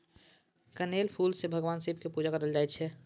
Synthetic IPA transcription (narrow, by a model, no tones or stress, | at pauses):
kəneːlpʰuːlsebʱəɡʋaːnsibʱkepud͡ʒakəɾəld͡ʒaɛt̪t͡ʃʰɛ